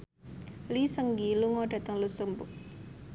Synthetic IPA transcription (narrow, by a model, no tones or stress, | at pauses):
lisəŋɡiluŋɔɖ̥a̤t̪əŋlusumbʊʔ̚